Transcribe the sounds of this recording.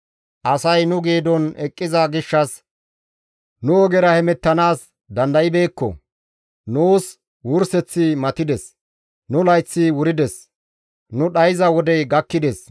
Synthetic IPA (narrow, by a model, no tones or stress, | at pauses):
ʔɐsɐjnʊɡiːd̪ɔnɛkʼːɪzɐɡɪʃːɐs | nʊɔɡɛɾɐhɛmɛt̪ːɐnaːs | d̪ɐnd̪ɐjɪbe̞ːkːɔ̰ | nuːs | wʊɾsɛt͡sːɪmɐt̪ɪd̪ɛs | nʊlɐjt͡sːɪwʊɾɪd̪ɛs | nʊɗɐjɪzɐwɔd̪ɛɡɐkːɪd̪ɛs